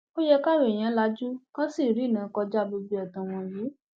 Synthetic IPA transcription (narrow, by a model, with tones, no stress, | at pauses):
o˦jɛ˧ka˦˨ɾo˨e˨j̃ã˨˦la˧˦d͡ʒu˦kã˦si˦˨ɾi˦˨nã˨˦kɔ˧d͡ʒa˦bo˧bi˧˦ɔ˨tã˨w̃ɔ̃˧ji˨˦